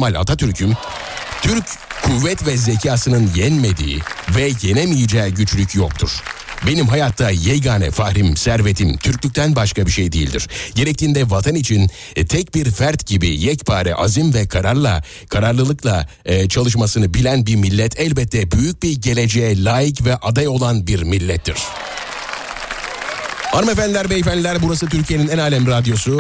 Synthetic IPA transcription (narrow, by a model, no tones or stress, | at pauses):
malʲa̰t̪ʰat̪ʰyɾcʰym | t̪ʰyɾckʰːuvːɛt̪vɛzecʰaːsɯnɯnjɛnmed̪ḭːvɛje̞nemijid͡ʒɛːɟyt͡ʃlʲycʰjok̚t̪ʰuɾ̥ | be̞nimɦajat̪ʰːajɛjɡaːnɛ̰fahɾimsæɾve̞t̪ʰimt̪ʰyɾcʲlʲyc̚ʲt̪ʰænbaʃkabiɾʃejd̪ejḭlʲd̪ḭɾ̥ɟe̞ɾɛc̚t̪ʰiːnd̪ɛvat̪ʰanit͡ʃʰin | t̪ʰɛc̚biɾfæɾt̪ɟibḭjɛcpʰaːɾɛ̰ʔa̰zimvɛkʰaɾaɾlˠa̰ | kʰaɾaɾlˠɯlˠɯklˠa | t͡ʃʰalˠɯʃ̬masɯnɯbilʲænbiɾmilʲːɛt̪ʰɛlʲbɛt̪ʰːɛbyjyc̚biɾɟe̞lʲe̞d͡ʒejɛlʲaːjicvɛʔad̪ajo̞lˠanbiɾmilʲːɛt̪ʰːiɾ̥ | aɾɯmefænd̪ʲilʲæɾvɛɛfænd̪lʲilʲæɾbuɾasɯt̪ʰyɾcʰije̞ninænaːlʲɛmɾad̪ijo̞su